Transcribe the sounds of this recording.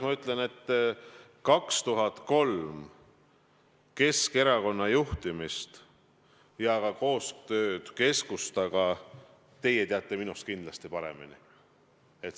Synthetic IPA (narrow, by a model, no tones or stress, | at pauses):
mɑyt̪ːˑle̞ne̞t̪ː | kɑkst̪uɦɑt̪ˑko̞lm | ke̞ske̞ɾɑko̞nːɑjuht̪imist̪ | jɑɡ̥ɑko̞ːst̪ø̞ːd̪̥ke̞skust̪ɑɡɑ | t̪e̞je̞t̪eɑt̪ˑːe̞minust̪̚kind̪lɑst̪ipɑɾe̞̰mḭni | e̞t̪